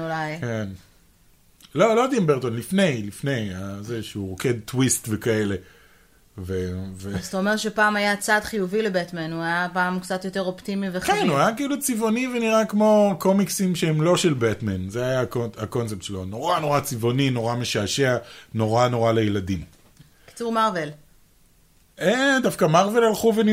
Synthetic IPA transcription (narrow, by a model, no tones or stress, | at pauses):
ulajken | lo̞lo̞d̪imbeʁtonlifne̞jlifne̞jazeʃeuʁoke̞d̪̚twistvekae̞le̞ | vevezt̪aomeʁʃepaːmajat͡sadχijuvilebetmenuajapaːmkt͡sat̪joteʁoptimivekenuajakiilut͡sivo̞niveniʁakmo̞ko̞miksimʃeemlo̞ʃelbetmanzeajakoako̞nt͡sep̚tʃelono̞ʁano̞ʁat͡sivo̞nino̞ʁame̞ʃaːʃeano̞ʁano̞ʁalejeladim | ki̥t͡suʁmaʁvel | edafkamaʁve̞lalχuveni